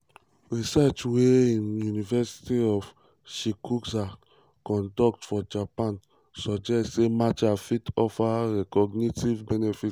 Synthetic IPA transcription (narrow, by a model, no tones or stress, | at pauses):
ɹisɛt͡ʃweĩnjunivɛsi̥tiɔf | ʃikuksa | kɔ̃ndɔk̚tfɔd͡ʒapãn | sɔd͡ʒɛstsemat͡ʃafitɔfaɹɛkɔɡnitivbɛnefit